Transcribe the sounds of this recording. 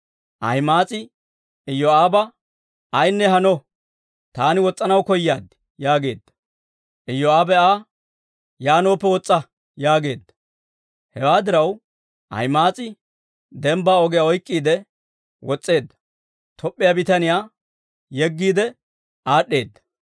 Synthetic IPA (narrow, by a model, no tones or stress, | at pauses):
ʔɐ̰jmaːt͡sʼɪ | ɪjːɔaːbɐː | jnːɛɦɐnɔ | t̪aːnɪwɔt͡sʼːɐnɐwkɔjːaːd̪ | jaːɡe̞ːd̪ːɐ̥ | ʔɪjːɔaːbɛaː | jaːno̞ːpːɛwɔt͡sʼːɐ | jaːɡe̞ːd̪ːɐ | hɛwaːd̪ɪɾɐw | ʔɐ̰jmaːt͡sʼɪ | d̪ɛmbaːɔɡɛjaɔjkʼːiːd̪ɛ | wɔt͡sʼːe̞ːd̪ːɐ̥ | t̪ʰɔpʼːɪjabɪt̪ɐnɪjaː | jɛɡːiːd̪ɛ | ʔaːɗːe̞ːd̪ːɐ̥